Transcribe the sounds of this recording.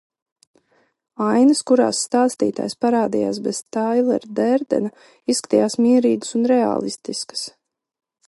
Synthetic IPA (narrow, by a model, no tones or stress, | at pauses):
ajnəskuɾa̰ːsːt̪aːst̪ḭːt̪a̰ːjspaɾaːd̪ija̰ːsbɛz̥t̪ajlˠɛ̰ɾd̪ɛɾd̪ɛ̰na | issːkḁt̪ijaːsmiːɛɾiːɡəsunɾɛa̰ːlˠist̪iskə̥s